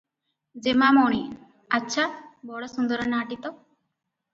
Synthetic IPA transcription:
d͡zemamɔɳ̃i | ɐtːɕʰabɔɽɔsund̪əɾənaːʈit̪ɔ

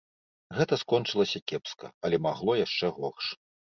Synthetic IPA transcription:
ɣɛt̪ɐskɔnt͡ʂɨlˠɐsʲɐkʲɛpskɐ̰ɐlʲɛmaɣlˠɔjaʂt͡ʂɛɣɔxʂ

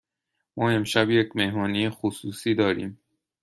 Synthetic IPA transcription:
mɒːe̞mʃæbje̞cme̞hmɒːnijexosuːsiːd̪ɒːɾḭːm

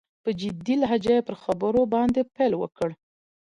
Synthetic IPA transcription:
pəd͡ʒɪd̪ilaɦad͡ʒajepəɾxabəɾobɑnd̪epelwə̰kəɽ

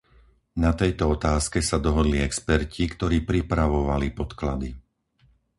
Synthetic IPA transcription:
nat̪ɛjt̪ɔɔt̪aːskɛsad̪ɔɦɔd̪liɛkspɛɾcʰikt̪ɔɾiːpɾipɾaʋɔʋalipɔt̪klad̪i

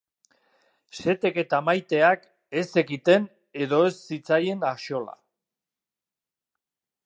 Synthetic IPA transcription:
se̞t̪e̞ke̞t̪amajt̪e̞ak | e̞se̞kit̪e̞n | e̞ðo̞e̞sːit͡saje̞naʃo̞la̰

